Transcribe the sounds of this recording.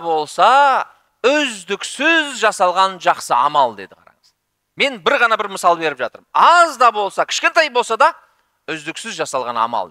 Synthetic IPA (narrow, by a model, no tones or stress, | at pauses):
bo̞lˠsɑ | ʏzd̪ɪksɪzʒɑsɑlˠʁɑnʒɑqsəɑ̰mɑlˠd̪e̞̰d̪ɪqʰɑ̰ɾɑ̰ɴəz̥ | me̞nbɪɾʁɑnɑbɪɾməsɑlˠbe̞ɾɪpʒɑt̪əɾmɑzd̪ɑbo̞lˠsɑkʲʰɪ̥ʃkʲent̪ɑjbolˠsɑd̪ɑ | ʏzd̪ɪksɪzʒɑsɑlˠʁɑnɑ̰mɑ̰lˠ